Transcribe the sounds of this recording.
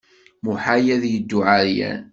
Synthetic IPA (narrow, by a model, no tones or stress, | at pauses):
muħajæðjəd̪ːʊʕaɾjæ̰n